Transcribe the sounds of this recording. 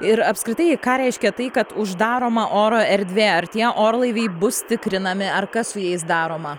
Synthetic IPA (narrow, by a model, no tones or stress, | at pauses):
ɪɾɐpskɾʲɪt̪ɐɪkɑːɾʲɛɪʃʲkʲɛt̪ɐɪkɐt̪ʊʒd̪ɑːɾoːmɐʔoːɾoːɛɾʲd̪ʲʋʲeːɐrt̪ʲiɛʔoːɾlˠɐɪʋʲɛɪbʊst̪ʲɪkɾʲɪnɐmʲɪɐrkɐssʊjɛɪs̬d̪ɑːɾoːmɐ